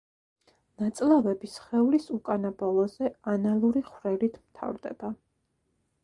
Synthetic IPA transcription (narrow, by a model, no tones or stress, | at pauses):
nat̪sʼlˠavɛbisχɛulisukʼanabɔlˠɔzɛanalˠuɾiχvɾɛlit̪ʰmt̪ʰa̰vɾd̪ɛ̰b̥a